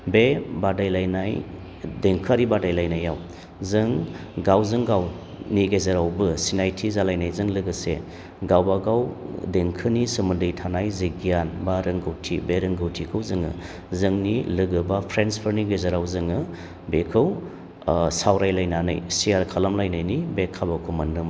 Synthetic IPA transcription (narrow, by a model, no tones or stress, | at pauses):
bebadajlajnaj | deŋkʰɯɾibadajlajnajːaw | zɯŋɡawzɯŋɡaw | niɡezaɾawbɯsinajtʰizalajnajzɯŋlɯɡɯsḛ | ɡawbaɡawdeŋkʰɯnisɯmɯndɯjtʰanajziɡijanbaɾɯŋɡɯwtʰibeɾɯŋɡɯwtʰikʰɯwzɯŋɯ̰ | zɯŋnilɯɡɯbapʰɾenspʰɯɾniɡezaɾawzɯŋɯ | bekʰɯw | sawɾajlajnana̰jsiaɾkʰalamlajnajnibekʰːabakʰumanːɯm